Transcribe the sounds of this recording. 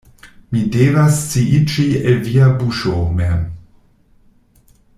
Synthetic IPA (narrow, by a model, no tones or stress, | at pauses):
mideːvasːiʔit͡ʃieviabuʃomɛm